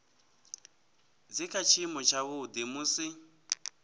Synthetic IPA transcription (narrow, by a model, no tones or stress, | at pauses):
d͡zikʰat͡ʃʰimɔt͡ʃʰaβud̪imuːsi